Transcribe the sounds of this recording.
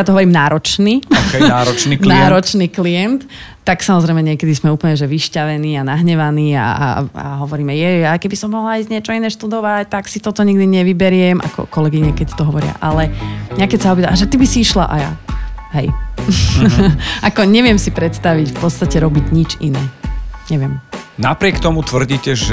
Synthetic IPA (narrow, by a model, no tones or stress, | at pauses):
jat̪ɔɦɔʋɔɾimnaːɾɔt͡ʃniaɾɔt͡ʃ̪inːɾɔt͡ʃniːklijɛnt̪ː | aksamɔzɾɛɪmɛɲɪɛkɛd̪ismɛuːpl̩ɲɛʒɛʋiʃcaʋɛniːanaɦɲɛʋaniːa̰a̰ɦɔʋɔɾiːmɛjɛjakɛbisɔmːɔɦlaizɲɛt͡ʃɔinɛːʃt̪ud̪ɔʋact̪aksit̪ɔt̪ɔɲiɡd̪iɲɛʋibɛɾɪɛmʔa̰kɔ̰kɔlɛɡiɲɛkɛct̪ɔɦɔʋɔɾɪa̰ʔalɛɲakɛcsaɔbit̪aaʒɛt̪ibisiiʃla̰ʔaja̰ɦɛj | ʔakɔɲɛʋɪɛmsipɾɛt̪st̪aʋicfpɔt̪st̪acɛɾɔbiɟɲit͡ʃinɛːɲɛʋɪɛmnapɾɪɛkt̪ɔmut̪ʋr̩ɟiːcɛʒ